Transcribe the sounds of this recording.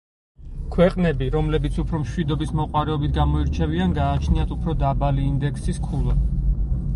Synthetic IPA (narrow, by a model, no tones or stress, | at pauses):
kʰwɛqʼnɛbiɾɔmlɛbit̪sʰupʰɾɔmʃwid̪ɔbismɔqʼwaɾɛɔbit̪ʰɡamɔiɾt͡ʃʰɛvianɡaːt͡ʃʰniat̪ʰupʰɾɔd̪abaliːnd̪ɛkʰsiskʰulˠa